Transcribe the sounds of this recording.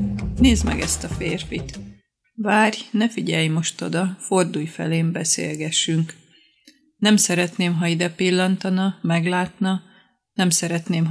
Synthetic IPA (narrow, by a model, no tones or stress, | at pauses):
neːzmɛ̰ɡɛst̪ɒfeːrfit̪ | vaːrjnɛfiɟɛjmo̞ʃt̪o̞d̪ɒfo̞rd̪uːjfɛ̰leːmbɛsḛːlɡɛʃːyŋk | nɛmsɛɾɛt̪neːmɦɒid̪ɛpilːɒnt̪ɒnɒmɛɡlaːt̪nɒ | nɛmsɛɾɛt̪neːm